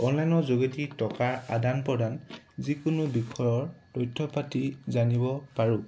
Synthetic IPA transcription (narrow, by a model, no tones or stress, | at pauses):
ɔnlajnɔzoɡetitɔkaɹadanpɔdan | zikʊnʊbikʰɔjɔɹtɔjtʰːɔpatizanibɔpaɹũ